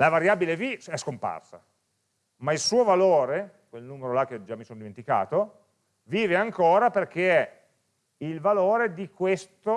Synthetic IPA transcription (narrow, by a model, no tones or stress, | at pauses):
lavaɾjaːbileviɛskompa̰rsa̰ | mailsuːovaloːɾe | kwelnuːmeɾolak̟ːed͡ʒamːisoːnod̪iment̪ika̰ːt̪o | viːveaŋkoːɾaperk̟eɛ | ilvaloːɾed̪ikwest̪o